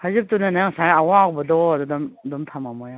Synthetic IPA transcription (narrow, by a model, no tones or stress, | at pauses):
hajzɯp̚tunanajaŋsajawaːwbɔdɔdudɔmdɔmtʰamamɔja